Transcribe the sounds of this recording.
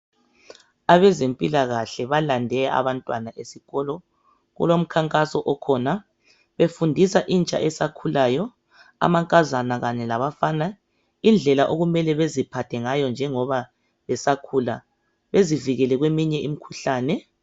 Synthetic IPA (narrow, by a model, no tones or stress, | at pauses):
aβɛzempʼilaɣaɬɛβalandʱɛaa̰βantʼwanaʔesiɣɔlɔ | ɣṵlom̩kʰaŋkʼasɔʔɔkʰɔna | βefundʱisaʔint͡ʃʼa̰ʔɛsakʰulaːjɔ | a̰maŋkʼazanaɣaɲɛlaβafana | ind͡ɮʱɛlaʔoɣumɛlɛβezipʰatʰɛŋajɔnd͡ʒʱɛŋɔβa | βɛsakʰuːla̰ | βeziviɣɛlɛɣwemiɲɛimikʰuɬaːnɛ